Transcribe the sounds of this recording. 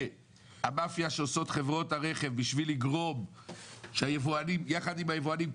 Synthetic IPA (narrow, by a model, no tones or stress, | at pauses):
amafjaʃeoso̞t̪χe̞vʁo̞taʁe̞χe̞vbiʃviliɡʁo̞m | ʃeajevuanimjaχad̪imhajevuanim